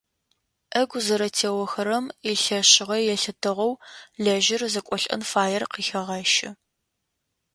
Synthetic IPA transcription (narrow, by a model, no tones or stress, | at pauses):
ʔɐɡʷzɐɾɐtʰeːwɐxɐɾɐmiɬɐɕɪʁɐjɛɬɨtʰɨʁɐwɮɐʒɪrzɐkʷʼɔɬʼɐ̰nfaːjɛrqiːxɐʁɐʃɪ